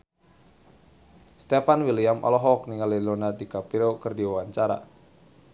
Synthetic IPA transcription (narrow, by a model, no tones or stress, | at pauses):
st̪efanwiliamʔɔ̰lɔɦɔk̚niŋalilonadikapiɾokɨrdiwawaɲt͡ʃaɾa̰